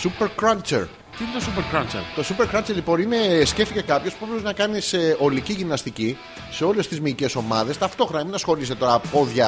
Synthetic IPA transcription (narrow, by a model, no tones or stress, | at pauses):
supeɾkɾɐnt͡ʃḛɾ | t̪inet̪osupeɾkɾɐnt͡ʃḛɾt̪o̞supeɾkɾɐnt͡ʃeɾlipo̞nine̞sce̞ft̪ice̞kɐpço̞spupɾeoznɐkɐniseʔo̞liciʝimnɐst̪ici | se̞o̞le̞st̪izmice̞so̞mɐðe̞st̪ɐft̪o̞xɾɐeminɐsxo̞lis̬t̪et̪o̞ɾɐpo̞ðʝɐ